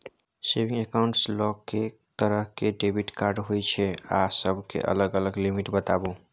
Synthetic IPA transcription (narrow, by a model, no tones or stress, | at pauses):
sebĩŋɡekaʊ̃ɳʈslɔke | t̪əɾəɦkeɖebiʈkaɾɖɦojt͡ʃʰɛa̰səbʱkḛʔə̰ləɡələɡlimiʈbət̪abu